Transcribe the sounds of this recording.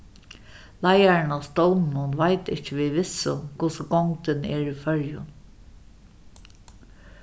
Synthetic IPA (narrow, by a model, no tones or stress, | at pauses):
lajaɹɪnast̪ɔwnnʊnʋajt̪ɪht͡ʃɪʋiʋɪsʊ̰kʰʊsʊɡɔŋt̪ɪnɛːɹifœɹjʊ̰n